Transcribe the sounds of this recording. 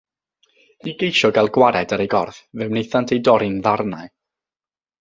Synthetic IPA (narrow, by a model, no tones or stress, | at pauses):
iɡejʃɔɡalˠɡwaɾɛdəɾejɡɔrθvɛwnejθantʰejdɔɾɪnðarnaj